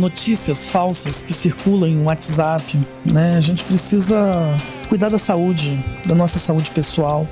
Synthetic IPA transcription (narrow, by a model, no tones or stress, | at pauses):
not͡ʃisiɐsfawsɐskɪsiɾkulɐ̃w̃ẽwat͡ʃzapɪ | nɛaʒẽnt͡ʃɪ̥pɾesizɐ | kujd̪aɾd̪ɐsaud͡ʒɪd̪ɐnɔsɐsaud͡ʒɪpesuaw